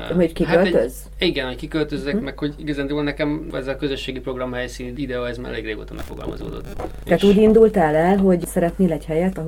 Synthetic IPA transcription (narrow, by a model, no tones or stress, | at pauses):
ɦoɟkihaølt̪øz | iɡɛnhockikølt̪øzːɛkmɛkho̞ɟiɡɒzaːnd̪evolnɛkɛmɛ̰zɛkøzøʃːeːɡipɾo̞ɡrɒmhɛjsiːnid̪ɛoɛzma̰ːɾɛleːɡreːɡo̰ːt̪ɒ̰mɛ̰kfo̞̰ɡɒ̰lmɒ̰zo̰ːd̪o̰t̪ːt̪aːt̪uːɟind̪ult̪aːlɛlɦo̞ɟsɛɾɛt̪neːlɛchɛjɛt̪ɒ